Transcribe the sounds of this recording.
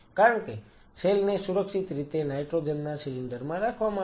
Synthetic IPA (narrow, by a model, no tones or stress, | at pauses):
kaɾəɳke | selnesuɾəkʃit̪ɾit̪enajʈɾod͡ʒəmnasiliɳɖəɾmãɾakʰʋamã